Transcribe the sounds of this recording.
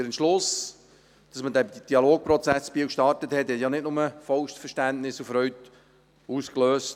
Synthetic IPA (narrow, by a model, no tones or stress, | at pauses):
ɪɾənʃlʊs | d̥ɑsmədɛd̥iɑloːk̚pɾɔt͡sæsbiwkʃtɑrtəthɛt̪hɛtjɑnɪtnʊməfɔʊʃtfəʃtæntnɪsufɾœɥt | uːskløːst